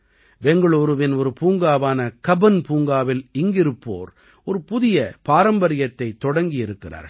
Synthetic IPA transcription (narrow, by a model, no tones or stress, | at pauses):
ʋɛŋɡɐɭoːɾɯʋɪnɔɾɯpuːŋɡaːʋaːnɐkɐbɐnpuːŋɡaːʋɪlɪŋɡɪɾɯpːo̰ːɾ | ɔɾɯpʊðɪjɐpaːɾɐmbɐɾɪjɐt̪ːɐɪt̪ːɔɽɐŋɡɪjɪɾɯkːɪra̰ːɾ